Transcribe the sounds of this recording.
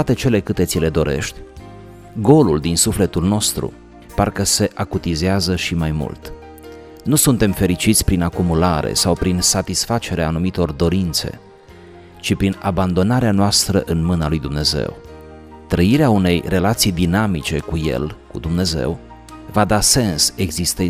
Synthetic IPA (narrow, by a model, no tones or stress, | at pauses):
at̪e̞t͡ʃe̞le̞kɨt̪et̪sile̞d̪o̞ɾe̞̰ʃt̪ʲ | ɡo̞luld̪insufle̞t̪ulno̞st̪ɾṵ | parkəse̞ʔakut̪izeazəʃimajmṵlt̪ | nusunt̪e̞mfe̞ɾit͡ʃit̪sʲpɾinakumulaɾḛsawpɾinsat̪isfat͡ʃe̞ɾeaːnumit̪o̞rd̪o̞ɾint̪se̞̰ | t͡ʃipɾinaband̪o̞naɾeanoast̪ɾəʔɨnmɨnalujd̪umne̞ze̞̰w | t̪ɾəiɾeaune̞jre̞lat̪sijd̪inamit͡ʃe̞kuje̞̰lkṵd̪umne̞ze̞̰w | vad̪ase̞nse̞ɡzist̪e